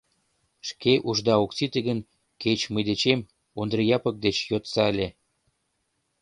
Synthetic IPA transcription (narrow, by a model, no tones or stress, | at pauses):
ʃkeʔuʒd̪ɑoksit̪əɣən | ket͡ɕməjd̪et͡ɕem | und̪rəjɑpək̚d̪et͡ɕjot̪sɑəlʲe